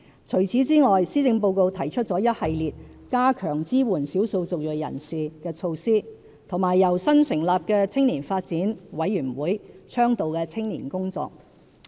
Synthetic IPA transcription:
t͡sʰɵ˨˩ɥt͡sʰiː˨˥t͡siː˥ŋɔː˨jsiː˥t͡sɪ˧ŋpo˧wko˧wt̪ʰɐ˨˩jt͡ʃʰɵ˥t̚t͡sɔː˨˥jɐ˥t̚hɐ˨jliː˨t̚kaː˥kʰœː˨˩ŋt͡siː˥wuː˨˩nsiː˨˥wso˧wt͡sʊ˨k̚jɵ˨˩jjɐ̰˨˩nsiː˨kɛː˧t͡ʃʰo˧wsiː˥ | t̪ʰʊ˨˩ŋmaː˨˩jːɐ˨˩wsɐ˥nsɪ˨˩ŋlaː˨p̚kɛː˧t͡sʰɪ˥ŋniː˨˩nfaː˧t̚t͡siː˨˥nwɐ˨˥jːyː˨˩nwuː˨˥jt͡sʰœː˥ŋt̪o˨wkɛː˧t͡sʰɪ˥ŋniː˨˩nkʊ˥ŋt͡sɔ̰ː˨k̚

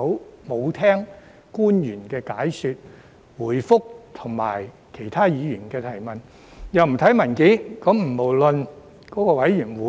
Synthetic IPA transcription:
wmo˨˧wt̪ʰɛː˥ŋ | kuː˥njyː˨˩nkɛː˧kaː˨˥jsyː˧t̚ | wuː˨˩jfʊ˥k̚t̪ʰʊ˨˩ŋma̰ː˨˩j | kʰe˨˩jt̪ʰaː˥jiː˨˧jyː˨˩nkɛː˧t̪ʰɐ˨˩jmɐ˨˩n | jɐ˨wm̩˨˩t̪ʰɐ˨˥jmɐ˨˩nkiː˨˥kɔ˨˥mm̩˨˩mo˨˩wlɵ˧n | kɔː˨˥kɔː˧wɐ˨˥jjyː˨˩nwuː˨˥

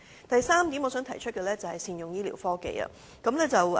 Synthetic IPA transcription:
t̪ɐ˨jsaː˥mt̪i˨˥mɔː˨˧˥sœː˨˥ŋt̪ʰɐ˨˩jt͡ʃʰɵ˥t̚kɛː˧lɛː˥t͡sɐ˨˩hɐ˨jsiː˧njʊ˨ŋjiː˥lḭː˨˩wfɔː˥kḛ˨jɐ̰˨ | kɐ˨˥mlɛː˥t͡sɐ˨˩w

